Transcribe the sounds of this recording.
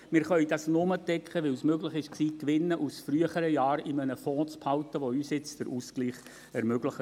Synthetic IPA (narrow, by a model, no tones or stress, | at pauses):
mɪːɾχœʏd̥ɑsnʊmədɛkχəʋɪlsmøɡlɪχɪʃksiːkʋɪnːəʔusfɾyəχəɾəjɑːɾɪmənəfɔ̃ːt͡sphɑʊt̪əʋoyːsjɪt͡sd̥əɾʔusɡ̥liːχ | ɛɾmøɡləχə